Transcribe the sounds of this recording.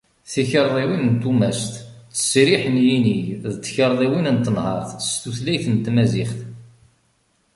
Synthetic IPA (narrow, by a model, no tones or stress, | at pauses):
θiçəɾˤðˤiwinənt̪ːumæst̪t͡sːə̥sɾiħənjiniðt͡sːçəɾˤðˤiwinənt̪ːənhɑ̰ɾˤθəst̪uθlæjθənt̪mæziχθ